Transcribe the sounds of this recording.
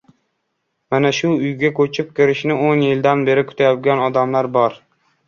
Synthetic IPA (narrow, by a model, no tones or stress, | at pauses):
manaʃʊʊjɡʲakʰɵt͡ʃʰɪp̚kʲʰɪɾɪʃnɪonjɪld̪anbe̞ɾɪkʰʊ̥t̪ʰajɒt̪̚ɡʲanɒd̪amlaɾbɒɾ